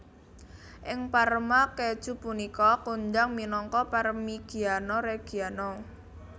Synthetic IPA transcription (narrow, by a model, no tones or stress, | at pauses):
ʔɪŋpaɾəmakɛd̥ʒ̥ṳpunikɔkuɲd͡ʒaŋminɔŋkɔpaɾəmiɡ̥ianɔɾeɡ̥ianɔ